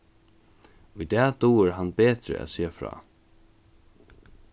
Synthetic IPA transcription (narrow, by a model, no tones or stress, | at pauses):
ʊjd̪ɛːt̪uːɪɾɦanːbeːt̪ɾɪ̰ʔæ̰ðseːfɾɑ̰ː